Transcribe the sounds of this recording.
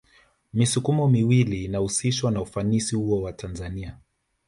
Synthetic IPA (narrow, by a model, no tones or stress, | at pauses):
misukumɔmiwilinahusiʃwanaufanisihuɔwatʰanzania